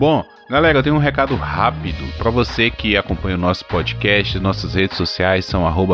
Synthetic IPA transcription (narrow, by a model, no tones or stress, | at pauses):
bõ | ɡalɛɾɐewt̪ẽɲ̃ũɦekad̪ʊhapid̪ʊpɾɐvosekɪakõpɐ̃ɲɐʊnɔsʊ̥pɔd͡ʒikɛʃt͡ʃɪznɔsɐshed͡ʒɪsosiajsːɐ̃w̃aɦobɐ